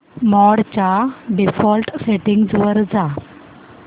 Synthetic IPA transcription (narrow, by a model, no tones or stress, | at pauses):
mɔɽt͡ɕaɖifɔlʈseʈiŋɡd͡zʋəɾd͡za